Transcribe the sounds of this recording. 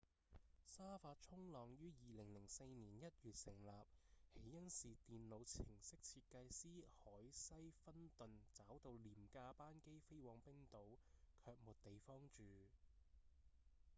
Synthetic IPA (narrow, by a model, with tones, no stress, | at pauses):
saː˥faː˧t̚t͡ʃʰʊ˥ŋlɔː˨ŋjyː˥jiː˨lɪ˨˩ŋlɪ˨˩ŋse˧jniː˨˩njɐ˦˥t̚jyː˨t̚sɪ˨˩ŋlaː˨p̚he˨˥jːɐ˥nsiː˨t̪iː˨nlo˨˧wt͡sʰɪ˨˩ŋsɪ˥k̚t͡sʰiː˧t̚kɐ˧jsiː˥hɔː˨˥jsɐ˥jfɐ˥nt̪ɵ˨nt͡saː˨˥wt̪o˧wliː˨˩mkaː˧paː˥nke˥jfe˥jwɔː˨˧ŋpɪ˥ŋt̪o˨˥wkʰœː˧k̚muː˨t̚t̪e˨jfɔː˥ŋt͡ʃyː˨